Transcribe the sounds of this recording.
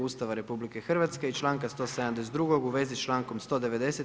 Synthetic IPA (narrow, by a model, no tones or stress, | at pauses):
uːst̪aʋaɾe̞publikexr̩ʋat̪skeit͡ʃlˠaːŋkast̪o̞sd̪amd̪es̬d̪ɾuɡoɡuʋe̞zist͡ʃlˠaːŋko̞mst̪od̪eʋe̞d̪e̞se